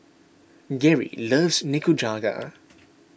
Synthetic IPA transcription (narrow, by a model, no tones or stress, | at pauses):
ɡɛɹḭləvznɪkud͡ʒaːɡa̰